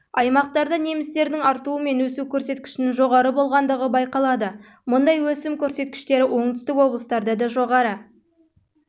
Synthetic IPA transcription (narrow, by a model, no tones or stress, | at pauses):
ɑjmɑq̚t̪ɑɾd̪əne̞mɪst̪e̞ɾd̪ɪŋɑɾt̪uəme̞nwɵsukʲʰɵɾse̞t̪kʲɪ̥ʃɪnɪŋʒo̞ʁɑɾəbo̞lˠʁɑnd̪əʁəbɑjqɑlˠɑd̪ə | mʊnd̪ɑjwɵsɪmkʲʰɵɾse̞t̪̚kʲɪ̥ʃt̪e̞ɾɪwʔo̞ɴt̪ʏ̥st̪ɪkwo̞blˠəst̪ɑɾd̪ɑd̪ɑʒo̞ʁɑɾə